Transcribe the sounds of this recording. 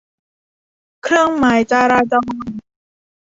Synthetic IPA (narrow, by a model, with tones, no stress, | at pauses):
kʰɾɯ˥˩əŋma˨˩˦jt͡ɕaː˧ɾaː˧t͡ɕɔ˧ŋ